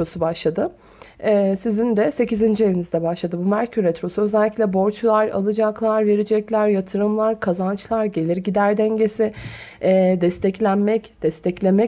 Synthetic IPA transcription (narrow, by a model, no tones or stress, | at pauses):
ɾosubaʃlˠad̪ɯ | ɛːsizind̪ɛse̞cizind͡ʒie̞lʲinizd̪ɛbaʃlˠad̪ɯbumæɾcʰyɾet̪ʰɾo̞suø̞zɛlʲːiclʲɛbo̞ɾt͡ʃlˠaɾa̰lˠɯd͡ʒaklˠaɾve̞ɾid͡ʒɛclʲæɾjat̪ʰɯɾɯmlˠaɾkʰazant͡ʃlˠaɾɟe̞lʲiɾɟid̪æɾd̪ɛɲɟe̞siː | d̪ɛst̪ʰɛclʲænmɛcd̪̥ɛst̪ʰɛclʲe̞mɛ